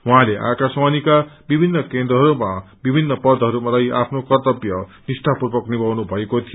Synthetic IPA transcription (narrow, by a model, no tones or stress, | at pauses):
waɦãleʔa̰kaswanikabibʱinːʌkend̪ɾrʌɦʌɾuma | bibʱinːʌpʌrd̪ʱʌɦʌɾumalajapʰnokʌrt̪ʌbjʌnisʈ̪ʰapurbʌknibawnubʱʌekot̪ʰijo